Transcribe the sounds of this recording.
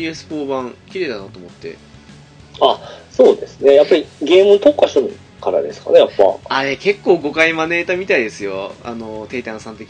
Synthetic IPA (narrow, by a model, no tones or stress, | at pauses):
iesɨ̥po̞ːbãŋkʲiɾe̞ːd̪anat̪oːmo̞t̪ːe̞̰ | aso̞ːd̪e̞sɨne̞japːaɾʲiɡe̞ːmɯ̟t̪okːaɕoɾɯ | kaɾa̰d̪e̞sɨ̥ka̰nejapːa̰aɾe̞ke̞kːo̞ːɡo̞kaimane̞ːt̪amʲit̪aid̪e̞sɨjo̞a̰no̞t̪e̞ːt̪ãɰ̃sãnt̪ekʲi